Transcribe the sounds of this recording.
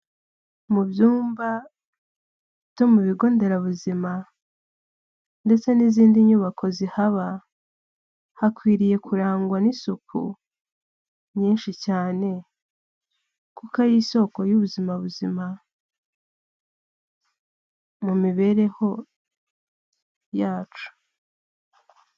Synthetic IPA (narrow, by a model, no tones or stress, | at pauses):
mubjuːmba | ito̞muβiɡo̞ːnde̞ɾaβuzima | nde̞t͡se̞niziːndiɲuːβakʰo̞zihaβa | hakwiːɾije̞kʰuɾaːŋɡwanisukʰṵ | mɲiːnʃicaːne̞ | kukajiso̞ko̞juβuzimaβuzima | mumiβe̞ɾe̞ho̞ | jaːt͡ʃu̥